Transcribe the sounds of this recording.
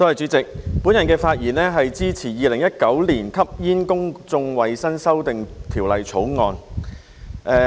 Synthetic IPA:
t̪o˥ɐ˨jt͡sy˨˥t͡sɪ˨k̚puː˨˥njɐ˨˩nkɛː˧faː˧t̚jiː˨˩nɛː˥ɦɐ˨jt͡siː˥t͡sʰiː˨˩jiː˨˧lɪ˨˩ŋjɐ˥t̚kɐ˨˥wliː˨˩nkʰɐ˥p̚jiː˥nkʊ˥ŋt͡sʊ˧ŋwɐ˨jsɐ˥nsɐ˥wt̪ɪ˨ŋt̪ʰiː˨˩wlɐ˨jt͡sʰo˨˥wŋɔː˨˧n | ʔɛ˧

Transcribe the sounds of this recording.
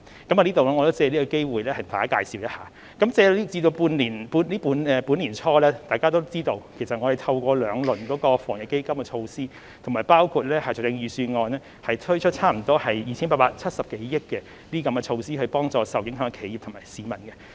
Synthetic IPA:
kɐ˨˥ma˨˧liː˥t̪o˨wlɛ˥ŋɔ˨˧to˥t͡sɛː˧liː˥kɔ˧ke˥jwuː˨jlɛː˥hɐ˨jm̩˨˩faː˨˥kaː˧jsiː˨wjɐ˥haː˨˩ | kɐ˨˥mt͡sɛː˧i˥t͡siː˧t̪o˧wpuː˧nliː˨˩npuː˧nliː˥puː˨˧nɛ˨puː˨˥nliː˨˩nt͡ʃʰɔː˧lɛː˥t̪aː˨˩kaː˥t̪o˥wt͡siː˥t̪o˧wkʰe˨˩jsɐ˨ŋɔ˨˧ɾe˨jt̪ʰɐ˧wkʷɔː˧lœː˨˧ŋlɵ˨˩nkɔː˨˥kɔː˧fɔː˨˩ŋjɪ˨ke˥jkɐ˥mkɛ˧t͡ʃʰo˧wsiː˥ | t̪ʰmaː˨˩jpaː˥wkʰuː˨˧t̚lɛː˥hɐ˨jɔ˨˩tɪ˧ŋjyː˨˧syː˧nŋɔː˧nɛː˥ | hɐ˨jt̪ʰɵ˥ɥt͡ʃʰɵ˥t̚t͡sʰaː˥m̩˨˩t̪ɔː˥hɐ˨jjiː˨˩t͡ɕʰiː˥npaː˧˨paː˧t̚t͡sʰɐ˥t̚sɐ˨p̚ke˨˦jjɪ˥kːɛ˧ | niː˥kɐ˨˧mkɛ˧t͡ʃʰo˧wsiː˥hɵ˧ɥpɔː˥ŋt͡sɔː˨˧sɐ˨wjɪ˨˥ŋɦœː˨˥ŋkɛ˧kʰe˨˩jiː˨p̚t̪ʰmaː˨˩siː˨˧mɐ˨˩nkɛ˧

